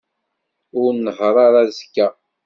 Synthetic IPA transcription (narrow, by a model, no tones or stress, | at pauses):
ʊɾnəʁɾˤɑɾˤazkːæ